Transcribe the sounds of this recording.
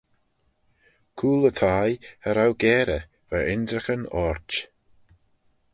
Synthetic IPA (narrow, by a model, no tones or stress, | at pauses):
kʰuːlət̪ʰajhəɾawɡɛːɾə | vaʔɪnd̪ɾəxənɔɹt͡ʃ